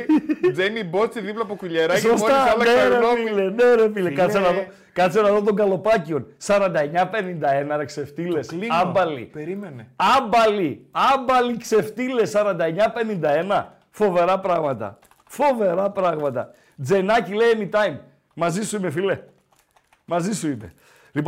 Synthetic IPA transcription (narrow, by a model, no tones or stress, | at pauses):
d͡zenibot͡siðiplɐpokuʎeɾɐsosot̪ɐɐlneɾeofileneɾefilekɐt̪senɐðo | kɐt̪senɐðot̪̬oŋɡɐlo̞pɐcio̞nsɐɾɐnd̪ɐeɲɐpe̞nind̪ɐe̞nɐɾekse̞ft̪ile̞slɐmbɐlḭpɾimeneɐbɐliɐbɐlikse̞ft̪ilesːɐɾɐnd̪ɐeɲɐpe̞nind̪ɐe̞nɐ | fo̞ve̞ɾɐpɾɐɣmɐt̪ɐ̰ | fo̞ve̞ɾɐpɾɐɣmɐt̪ɐ̰ | d͡ze̞nɐcilejemit̪ɐjm | mɐzisuimefile̞ | mɐzisuimḛ | lip